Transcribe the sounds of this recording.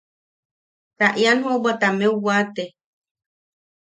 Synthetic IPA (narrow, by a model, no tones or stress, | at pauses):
t̪aʔjanhõbat̪amẽuwat̪e